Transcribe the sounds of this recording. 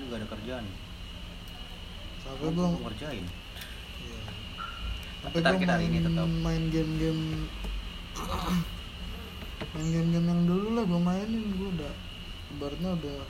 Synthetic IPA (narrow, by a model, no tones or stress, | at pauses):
d͡ʒuɡaːdakərd͡ʒanɪ | sapabuŋkərd͡ʒaɪn | ja | sapat̪amaɪːaɪnɡɛmɡɛm | maɪnɡɛmɡɛmjaŋdululahɡamaɪnɪnɡuadah | kəbaɾ̚ɲaudah